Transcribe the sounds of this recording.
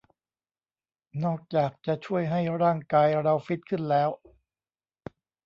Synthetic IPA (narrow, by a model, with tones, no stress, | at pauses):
nɔː˥˩k̚t͡ɕaː˨˩k̚t͡ɕa˨˩t͡ɕʰu˥˩əjɦa˥˩jɾaː˥˩ŋkaː˧jɾa˧wfi˦˥t̪̚kʰɯ˥˩nlɛː˦˥w